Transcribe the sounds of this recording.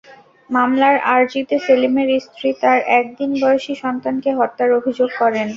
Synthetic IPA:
mamlaɾaɾd͡ʑit̪eselimeɾist̪ʰɾit̪aɾʔɛk̚d̪inbɔjoʃiʃɔnt̪ankeɦɔt̪ːaɾobʱid͡ʑoɡ̚kɔɾen

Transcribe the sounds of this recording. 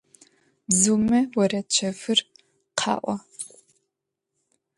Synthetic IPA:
bzumɐwɔrɐt͡ʃʰɐfɨr | qʰɑ̰ːʔʷɔ

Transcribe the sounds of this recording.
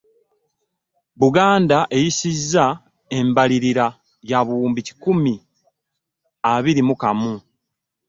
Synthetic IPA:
βuɡaːndaʔe̞jisizːa | e̞mbaliɾiɾa | jaβuːmbici̥kumi | aβiɾimukamu

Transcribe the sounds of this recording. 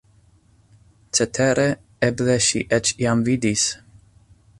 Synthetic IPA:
t͡set̪ʰeɾe | ɛbleʃḭʔɛt͡ʃjamvid̪is

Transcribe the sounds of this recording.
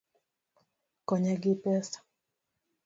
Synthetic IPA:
kɔɲɛɡipɛsḁ

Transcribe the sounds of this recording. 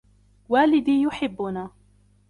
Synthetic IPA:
waːlɪd̪iːjʊħɪbːʊnaː

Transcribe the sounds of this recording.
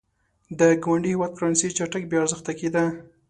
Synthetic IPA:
d̪əɡawaɳɖihɪwɑd̪̚fɾɑnsit͡ʃaʈak̚bjɑaɾzəxt̪aked̪a

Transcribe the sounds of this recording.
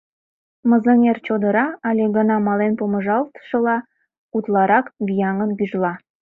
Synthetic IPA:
məzənert͡ɕod̪əɾɑɑlʲeɣənɑmɑlenpoməʒɑlt̪ə̥ʃəlɑ | ut̪lɑɾɑkbijɑŋənɡyʒlɑ

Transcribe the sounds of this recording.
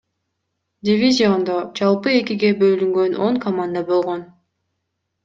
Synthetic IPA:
dʲivʲizʲio̞nd̪o̞d͡ʒɑlˠpɯe̞kʲiɡe̞bø̞lyŋɡø̞no̞ŋkʰɐmand̪abo̞lˠʁo̞n

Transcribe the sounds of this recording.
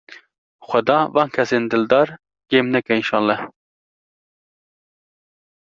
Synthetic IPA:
xʷɛd̪ɑːvɑːnkʰɛseːnd̪ɨld̪ɑːɾ | ɡ̥eːmnɛkɛinʃɑːnlɛ

